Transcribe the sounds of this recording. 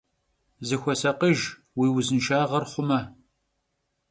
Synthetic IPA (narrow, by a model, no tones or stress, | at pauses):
zɨxʷɔsɐqəʒ | wiːwzɨnʃaːʁɐrχʷʊmɐ